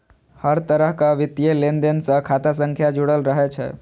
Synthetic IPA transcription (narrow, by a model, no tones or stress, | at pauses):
həɾt̪əɾəɦkəʋit̪jelend̪ensə̃kʰat̪asəŋkʰjad͡ʒuɽəlɾəɦɛt͡ʃʰɛ̰